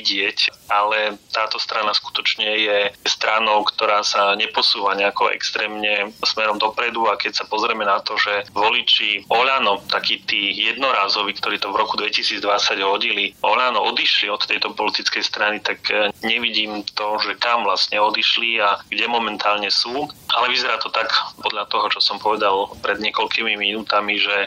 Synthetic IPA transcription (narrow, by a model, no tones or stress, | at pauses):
ɟɪɛcalɛt̪aːt̪ɔst̪ɾanasku̥t̪ɔt͡ʃɲɛjɛst̪ɾanɔʊkt̪ɔɾaːsaɲɛpɔsuːʋaɲɛakɔɛ̰kst̪ɾɛːmɲɛsmɛɾɔmd̪ɔpɾɛd̪uakɛcsapɔzɾɛmɛnat̪ɔʒɛʋɔlit͡ʃiɔʎanɔt̪akiːt̪iːjɛd̪nɔɾaːzɔʋikt̪ɔɾiːt̪ɔvɾɔkud̪ʋɛcisiːd͡zd̪ʋat͡saɟɦɔɟiliʔɔʎanɔɔd̪iʃliɔt̪ːɛjt̪ɔpɔlit̪it͡skɛjst̪ɾanit̪akɲɛʋiɟiːmt̪ɔʒɛkamvlasɲɛɔd̪iʃliaɡɟɛmɔmɛnt̪ʰaːlɲɛsuːalɛʋizɛɾaːt̪ɔt̪akpɔd̪ʎat̪ɔɦɔt͡ʃɔsɔmpɔʋɛd̪alpɾɛd̪ɲɪɛkɔlkimiminuːt̪amiʒɛ